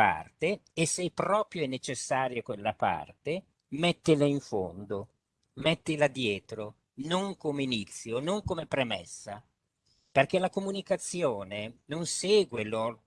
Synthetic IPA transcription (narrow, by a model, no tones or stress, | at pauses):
a̰rt̪eːsːɛpɾɔːpɾjoɛnːet͡ʃesːaːɾjokwelːapa̰rt̪e | mɛt̪ːilaiɱfo̰nd̪o | mɛt̪ːilad̪ːjɛːt̪ɾo | noŋkomeinit̪sːjonoŋkomepɾemɛ̰sːa | perk̟ɛlakomunikat̪sːjoːnenonsɛːɡwelo